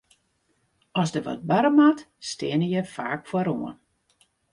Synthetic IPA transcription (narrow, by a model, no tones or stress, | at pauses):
ɔsdəʋɔ̰t̚baɾəmatstɪənəjəfaːkfɔɾoən